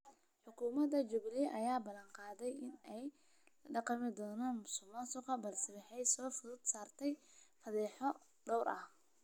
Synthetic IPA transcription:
ħʊkʰuːmɐd̪ɐt͡ʃʊɡliʔɐjaːbɐlɐŋqɑːðɛjɪnɛj | lɐɖɑqɑmɪd̪ɔːnaːnmʊsʊmɔsʊqɐbɐlsɪwɪħɛjsɔːfʊðʊd̪̥saːrt̪ʰɛjfɐðɛːħɔ | ɖɔwɾʔɐh

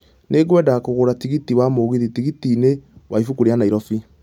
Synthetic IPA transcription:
nʔeɡwɛːdakoɣoɾatiɣitiwamoɣiðitiɣitinewaifukoɾeanaiɾɔfi

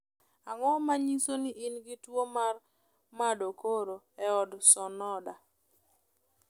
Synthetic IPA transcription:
aŋɔmaɲisoniʔinɡitwomar | madokoɾo | ɛɔdsɔnɔda

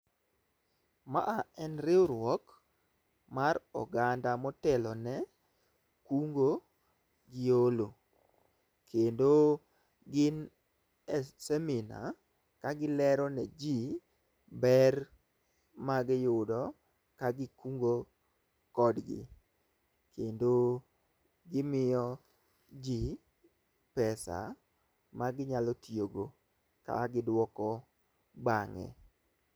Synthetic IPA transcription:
ma̰ʔaɛnɾɪoɾwɔk | maɾɔ̰ɡandamɔtɛlɔnɛ | kuŋɡo | ɡɪolo | kʰendo | ɡɪn | ɛsɛmina̰ | kaɡɪlɛɾɔnɛd͡ʒi | bɛr | maɡɪjʊdɔ | kaɡɪkuŋɡo | kɔdɡɪ̰ | kʰendo | ɡɪmɪjɔ | d͡ʒi | pɛsa̰ | maɡɪɲalɔtʰjoɡo | ka̰ɡɪdwɔkɔ | baŋɛ̰

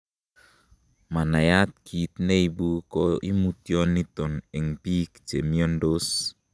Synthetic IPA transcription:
manajat̪̚kʰit̪̚neibukɔʔimut̪jɔnːit̪ɔnɛŋpikt͡ʃemiɔndos

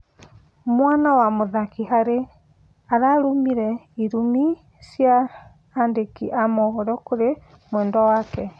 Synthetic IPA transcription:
mwaːnawamoðakiɦaɾe | aɾaɾomiɾɛiɾumi | sjaː | ndekiʔamɔɣɔɾɔkoɾe | mwɛːndɔwakɛ

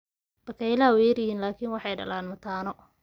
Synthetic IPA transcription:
b̥ɐkʰɐjlaːwɛjɐrjɪhiːnlaːkʰiːnwɑħɑjɖɐ̰laːnmɐt̪ʰaːnɔ

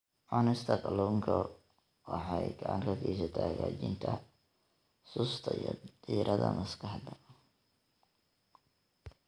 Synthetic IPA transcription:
ʔɔnɪst̪ʰɐqɐluːŋkʰɐ | wɑħɑjɡɐʕɑŋkʰɐɡʰɛsɐt̪ʰaːhɣaːt͡ʃɪnt̪ʰɐ | sʊst̪ʰɐjɔd̪̥iːɾʔɐðɐmɐskʰɑħd̪ɐ

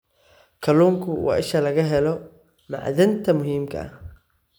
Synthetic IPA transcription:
kʰɐluːŋkʰʊwɑ̰ːʔɪʃɐlɐɣɐɦɛlɔ | mɑ̰ʕðɪnt̪ʰɐmʊɦiːmkʰɐ̰ɐ̰

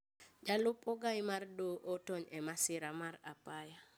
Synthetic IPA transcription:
d͡ʒalʊpɔɡajmardoʔotoɲɛmasɪɾamaɾapaja

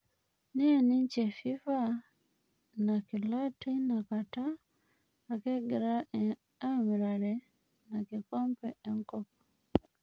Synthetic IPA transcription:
nieniɲcefifa | nakilatinakataː | keɡeɾa | amiɾale | nakikoːmpeːŋkop̚o̥

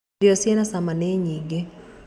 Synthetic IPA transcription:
iɔsinasamanɛɲiɡɛ

